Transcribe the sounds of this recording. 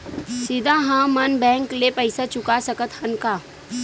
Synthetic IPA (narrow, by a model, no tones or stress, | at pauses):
sɪd̪ʱãɦãmɐnbɛ̃ːŋklepəɪsat͡ʃʊkasəkət̪hɐnkaː